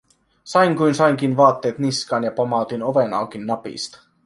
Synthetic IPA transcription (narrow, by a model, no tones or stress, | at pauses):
sɑjŋkujnsɑjŋk̟inʋɑːt̪ːeːt̪niskɑːnjɑpomɑˑt̪inoʋenɑ̰ˑwk̟inːɑpḭst̪ɑ̥